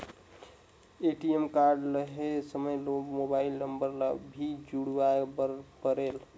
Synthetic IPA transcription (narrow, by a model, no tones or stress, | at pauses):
eʈiemkaɾɖləɦesəməjloɡmobailnəmbəɾləbʱid͡ʒuɽʋaebəɾpəɾel